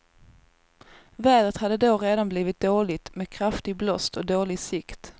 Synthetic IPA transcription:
væːd̪ət̪had̪ːəd̪oːɾeːd̪anbliːvɪt̪̚d̪oːɭɪt̪meːkʰɾaft̪ɪɡ̚blɔst̪ʰɔd̪oːlɪɡsɪkt̪

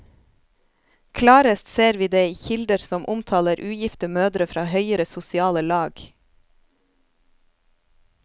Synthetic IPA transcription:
kʰlɑːɾəst̪seːɾʋiːd̪eːiːçɪld̪əɾsɔmʔʊmt̪ʰɑːləɾʔʉːjɪft̪əmøːd̪ɾəfɾɑːhœʏəɾəsʊsɪɑːləlɑːɡ

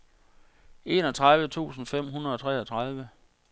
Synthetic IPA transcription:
e̝nɒt͡sʰʁäð̞ˠʋət͡sʰṵːsn̩fem̰ɦunɐɒ̽t͡sʰʁɛ̰ɒt͡sʰʁað̞ˠʋə

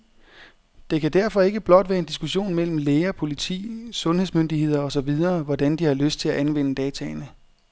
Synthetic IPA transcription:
d̥e̝kʰæd̥æɐfɒ̽e̝ɡ̥əb̥lɒ̽d̥ʋæːɐe̝nd̥isɡ̥uɕo̝̰ːnmel̰m̩leːɐpʰo̝lit͡sʰḭːsɔ̽nɦhe̝ðˠsmønd̥ihe̝ð̰ˠɐɒ̽sɒ̽ʋið̞ˠɐːʋɒd̥ænd̥ihɑ̈løsd̥̚t͡sʰe̝læʔænʋen̰əd̥ɛːt͡sʰɛɪnə

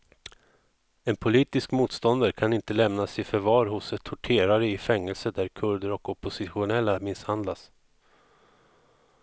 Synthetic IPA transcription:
ɛnpʰʊliːt̪ɪskmuːt̪st̪ɔnd̪aɾkʰanɪnt̪əlɛmnasɪfœɾvɑːɾɦʊsɛt̪ʰːʊʈʰeːɾaɾəɪfɛŋːəlsəd̪æɾkʰɵɖ̪əɾɔkɔpʊsɪɧʊnɛlːamɪshand̪las

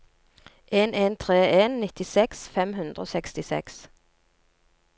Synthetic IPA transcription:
ʔeːnʔeːnt̪ʰʁeːʔeːnːɪt̪ɪsɛksfɛmhʉnd̪ʁəo̰ːsɛkst̪ɪsɛ̰ks

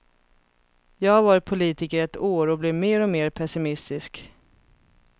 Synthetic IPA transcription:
jɑːavaːɾpʰʊliːt̪ɪkəɾɛt̪oːɾɔblɛvmeːɾɔmeːɾpʰɛsɪmɪst̪ɪsk

